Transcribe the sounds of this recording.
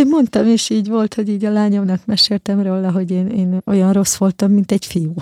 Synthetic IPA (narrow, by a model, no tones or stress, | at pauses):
mo̞nt̪ɒmeːʃiːɟʋo̞lt̪ho̞ɟiːɟɒlaːɲomnɒkmɛʃeːlt̪ɛmroːlːɒɦo̞ɟeːneːno̞̰jɒnro̞sʋo̞lt̪ɒmːint̪ɛfijuː